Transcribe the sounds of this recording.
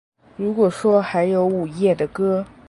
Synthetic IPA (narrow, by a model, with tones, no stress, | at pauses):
ɻu˧˥kwɔ˨˩ʂwɔ˥xa˧˥ɪjo˧˥ʊu˨˩jɛ˥˩d̪ə˨kɤ˥